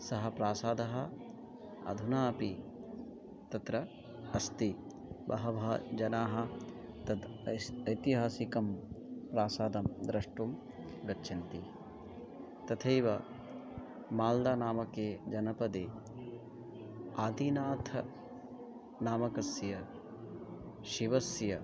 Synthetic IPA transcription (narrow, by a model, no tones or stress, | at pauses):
sɐɦɐpɾaːsaːd̪ɐɦɐ̆ | ɐ̰d̪ʱunaːɐpi | t̪ɐt̪ɾɐ | ɐst̪i | bɐ̰ɦɐbʱɐd͡ʒɐnaːɦɐ̆ | t̪ɐd̪ɐjt̪iɦaːsikɐmpɾaːsaːd̪ɐmd̪ɾɐʂʈum | ɡɐtːʃʰint̪i | t̪ɐt̪ʰejʋɐ | maːld̪aːnaːmɐkeːd͡ʒɐnɐpɐd̪eː | aːd̪inaːt̪ʰɐ | naːmɐkɐsjɐ | ʃiʋɐsjɐ